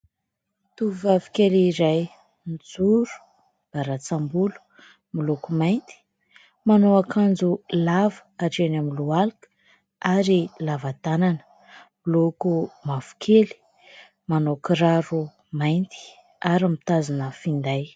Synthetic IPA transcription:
t̪uvavi̥keliɾaj | nid͡zuɾu̥ | b̥aɾat͡sambulu̥ | milokumajnt̪i̥ | manoakʰand͡zulavəaʈ͡ʂenamilualikə̥ | aɾilavat̪ananə̥ | milokumavu̥kʰeli̥ | manokiɾaɾu | majnt̪i̥ | aɾamit̪azinəfind̪aj

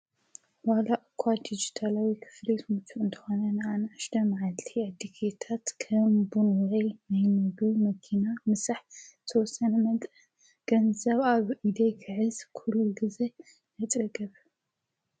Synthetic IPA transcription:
walaʔɨkʰːad̪id͡ʒit̪ʰalawikʰɨ̥flet̪mut͡ʃʰːuɨnt̪ʰɐ̥xo̞nɐnɨanɐaʃt̪ʰɐmʕalt̪ʰiad̪ikʰet̪ʰat̪kʰɐmbunɾɐjnajnɐβimɐkʰinamɨsaħt̪ʰɐwɔsːɐnɐmɐt̪ʼɨ | ɡ̥ɐnzɐβaβʔid̪ɐjkʰɨʕɨzkʰuɾuɡize | nɐt̪ʼɨɡɐβ

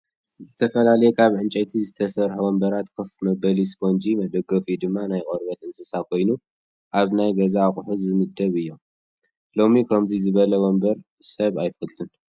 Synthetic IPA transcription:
zɨt̪ʰɐfɐlalɐjɛkʰaβʕɨnt͡ʃʼɐt̪ʰizɨt̪ʰɐsɐɾħuwɔmbɐɾat̪kʰofmɐbɐlisbond͡ʒimɐd̪ɐɡofid̪ɨmːanajkʼoɾβɐt̪ʔɨnsɐsakʰo̞jnu | ʔaβnajɡɐzaːχʼħuzɨmɨd̪ːɐβɨjːo̞ | lo̞mikʰɐmzizɨβɐlɐwɔmbɐɾ | sɐβajfɐlt̪ʰun

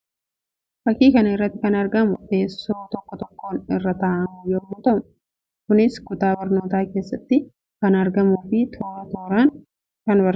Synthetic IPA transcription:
fɐkːiːkɐnɐɪrːɐt̪ːɪkɐnɐɾɡɐmʊe̞ːsːo̞ːt̪ɔkːɔt̪ɔkːo̞ːnɪrːɐt̪ɐːʔɐmjoːmːɔt̪ɐm | kʊnɪskʊt̪aːbɐɾno̞ːt̪aːke̞ːsːɐt̪ːɪ | kɐnɐɾɡɐmuːfɪt̪ʰoːɾɐt̪oːɾaːn | kɐnbɐɾ

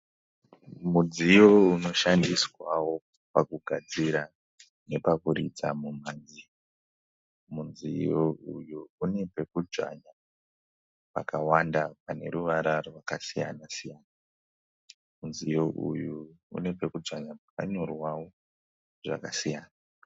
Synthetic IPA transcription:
mud͡zijo̞uno̞ʃandiswawo̞ | pakuɡʱad͡ziɾa | ne̞pakuɾḭd͡zamumaːnd͡zi | munzijo̞ujuune̞pe̞kud͡ʒa̰ɲa | pa̰kawandapane̞̰ɾuʋaɾarwakasija̰nasijaːna | munzijo̞ʔṵjuṵne̞pe̞kud͡zaɲap̚aka̰ɲo̞rwawo̞ | ʐa̰kasijaːna

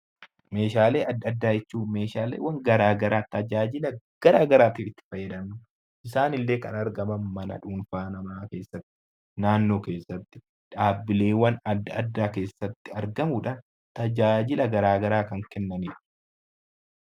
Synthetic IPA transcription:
me̞ːʃaːle̞ːɐd̪ːɐd̪ːaːjɛt͡ʃːuːme̞ːʃaːlḛːwɐŋɡɐɾaːɡɐɾaːt̪ɐd͡ʒaːd͡ʒɪlɐɡ̥ɐɾaːɡɐɾaːt̪iːɪt̪ːɪ̥fɐjːɛd̪ɐmʊ | ʔɪsaːnɪlːe̞ːkɐ̰nɐɾɡɐmɐnmɐnɐ̰ᶑuːnfaːnɐmaːke̞ːsːɐt̪ːɪ̥ | naːnːo̞ːke̞ːsːɐt̪ːɪ̥ | ᶑaːbːɪle̞ːwɐnɐd̪ːɐɐd̪ːaːke̞ːsːɐt̪ːɪɐɾɡɐmuᶑɐn | t̪ɐd͡ʒaːd͡ʒɪlɐɡɐɾaːɡɐɾaːkɐŋkɛnːɐniːᶑ

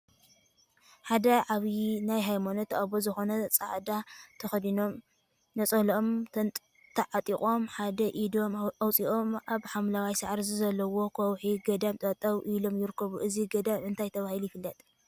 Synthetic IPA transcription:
ħad̪ɐʕaβinajɦajmonot̪ʰːʔaβozɨxo̞nɐt͡sʼa̰ʕd̪at̪ʰɐxd̪ino̞m | nɐt͡sʼɐhlʔomʰ | t̪ʰɐʕat̪ʼiχʼo̞mħad̪ɐʔid̪o̞mawt͡sʼiʔo̞mʔaβħamlawajsaʕɾzuzɐlːɐwo̞kʰowħiɡɐd̪amt̪ʼɐt̪ʼːɐwʔilo̞mjɪɾɨkʰːɐβuʔɨziɡɐd̪amɨnt̪ʰajt̪ʰɐβahilujɪfɨlːɐt̪ʼ

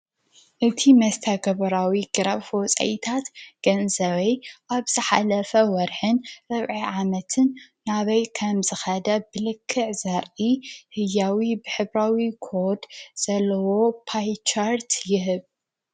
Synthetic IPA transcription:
ʔɨt̪ʰimɐst̪ʰɐɡɐβɐɾawiɡ̥ɨɾaβfot͡sʼɐ̰jt̪ʰat̪ɡ̥ɐnzɐβɐjʔaβz̥ɨħalɐfɐwɔɾħɨnɾɨβʕiʕamɐt̪ʰɨnː | aβɐjkʰɐmzɨxɐd̪ɐbɨlɨkʰːɨʕzɐɾihɨjːawibɨħɨβɾawikʰoɾd̪z̥ɐlːɐwo̞pʰajt͡ʃʰaɾt̪jɪɦɨβ

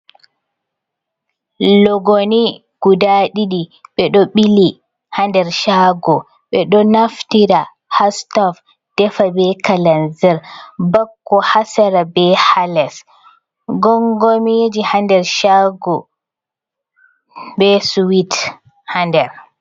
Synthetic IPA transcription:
lɔɡoni | ɡ̥udaɗiɗiɓɛɗɔɓili | handɛɾʃaɡɔ | ɓɛɗɔnaftiɾa | hastɔf | d̥ɛfabɛkalanzɛɾbakːɔhasaɾabɛhalɛs | ɡɔŋɡomid͡ʒihandɛɾʃaɡɔ | bɛsuwit | handɛɾ

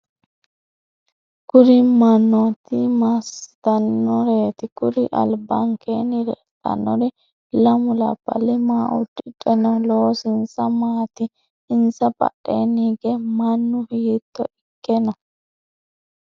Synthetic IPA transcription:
kʊɾɪmɐnːɔt̪ɪmɐst̪ɐnːɔɾeːt̪ɪkʊɾɪʔɐ̰lbɐŋkʰeːnɪɾɛ̰ | t̪ʼːɐ̰nːɔɾɪ | lɐmʊlɐ̰bɐ̰lɪmaːʔʊ̰d̪ɪtʼɛnɐloːsɪnsɐmaːt̪ɪː | nsɐpʼɐ̰ɗːeːniːɡɛmɐnːʊhijɪt̪ːɔʔɪkːɛnɐ

